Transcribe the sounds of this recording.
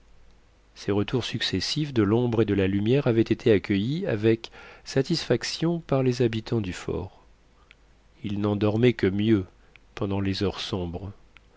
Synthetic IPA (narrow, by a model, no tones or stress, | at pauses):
sɛʁət̪uʁsyksɛsifd̪əlɔ̃bʁed̪əlalymjɛʁavɛt̪et̪ʰeakʲʰəjia̰vɛksat̪isfaksjɔ̃paʁlezabit̪ʰɑ̃d̪yfɔ̰ːʁ | ilnɑ̃d̪ɔʁmɛkəmjø | pɑ̃d̪ɑ̃lezœʁsɔ̃bʁ